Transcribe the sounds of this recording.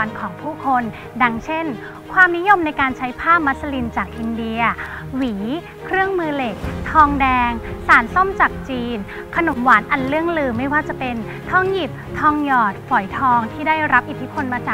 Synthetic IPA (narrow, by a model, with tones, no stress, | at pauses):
nkʰɔː˩˦ŋpʰuː˥˩kʰo˧n | da˧ŋt͡ɕʰe˥˩n | kʰwaː˧mni˦˥jo˧mna˧jkaː˧nt͡ɕʰa˦˥jpʰaː˥˩p̚ma˦˥t̪̚sa˧li˧nt͡ɕaː˨˩k̚ʔi˧ndi˧ɐ | wiː˩˦ | kʰɾɯ˥˩əŋmɯː˧le˨˩k̚t̪ʰɔː˧ŋdɛː˧ŋsaː˩˦nso˥˩mt͡ɕa˨˩k̚t͡ɕiː˧n | kʰa˧no˨˩˦mwaː˩˦nʔa˧nlɯ˥˩əŋlɯː˧ma˥˩jwaː˥˩t͡ɕa˨˩pe˧n | t̪ʰɔː˧˩ŋji˨˩p̚t̪ʰɔː˧ŋjɔː˨˩t̪̚fɔ˨˩˦jt̪ʰɔː˧ŋt̪ʰiː˥˩daː˥˩jɾa˦˥p̚ʔi˨˩t̪ʰːi˦˥pʰo˧nmaː˧t͡ɕaː˨˩